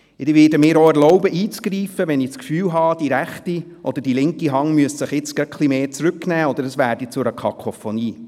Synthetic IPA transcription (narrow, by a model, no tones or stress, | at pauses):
ɪdʋɪdəmɪːɾoɛɾlɔʊbəʔiːt͡sɡ̥ɾiːfəʋɛnɪskfyːlɦɑːd̥iɾæχti | ʔɔd̪əd̥ilɪŋkiɦɑŋmyəssəχɪt͡skœkχlimeːt͡sɾʉknæːɔd̪əɾəsʋæːɾd̥it͡sʊɾəkʰɑ̰kʰofoniː